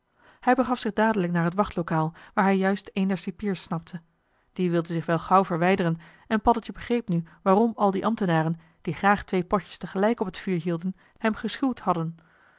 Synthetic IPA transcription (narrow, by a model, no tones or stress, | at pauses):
hɛjbəχɑfsɪχdaːdələknaːɹɦətʋɑχtlowkaːlˠʋaːɹɦɛjːœɥstejndɛɹsipiːɹsnɑp̚tʰə | d̥iʋɪlˠdənzɪχʋɛlˠχɑwvəɹʋɛjdərən | ɛnpɑdəlˠtjəbəχrejpnyʋaːrɔmɑlˠdiʔɑmtənaːrən | d̥iχraːχtʋejpɔcə̥stəχəlɛjkɔpətfyːɹɦiːlˠdən | hɛmχəsχuwthɑdən